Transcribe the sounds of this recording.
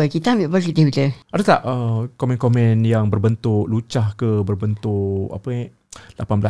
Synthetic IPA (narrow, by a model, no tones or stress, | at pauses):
əkit̪amiʔpəkit̪ihit̪əʔadət̪aʔʔəkomɛ̃nkomɛ̃njaŋbərbənt̪ʊʔlut͡ʃahkəbərbənt̪ʊʔa̰pə | la̰panbla̰